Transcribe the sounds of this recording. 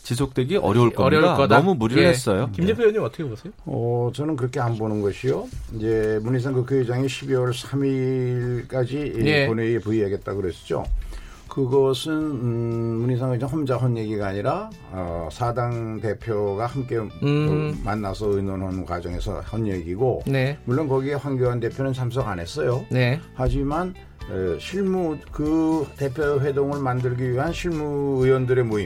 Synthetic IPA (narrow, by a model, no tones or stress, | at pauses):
t͡ɕis̬ʰok̚t͈we̞ɡiʔʌɾjʌuɭ͈ʌɾanʌmumuɾiɾɯɭɦes͈ʌjokimd͡ʑepʰejʌɲimʌt͈ʌkʰebosʰejoʌt͡ɕʌnɯnk̬ɯɾʌkʰeanbonɯnɡʌɕʰijoid͡ʑe̞muɲis̬ʰaŋkukʰoid͡ʑaŋeɕʰibiwʌɭsʰamiɭk͈ad͡ʑiepʌneepuiɦaɡe̞t̚t͈aɡoɦesʰd͡ʑo̰ | kɯɡʌsʰɯn | muɲisʰaŋad͡ʑʌnhʌnd͡ʑaɦʌnje̞ɡiɡaːɲiɾa | ʌ̰sʰadaŋte̞pʰjoɡahamk͈e̞ | manːasʰʌɯinwʌnɦʌnkwa̰d͡ʑʌŋɦe̞sʰʌ̰hʌnjeɡiɡonemuɭːonkʌɡie̞ɸwanɡjoɦande̞pʰjonɯnt͡ɕʰams̬ʰʌɡanɦe̞s͈ʌjonehad͡ʑiman | eɕʰiɭmukɯte̞pʰjoɸwe̞doŋɯɭmandɯɭɡiɥiɦanɕʰiɭmuɯjwʌndɯɾe̞moi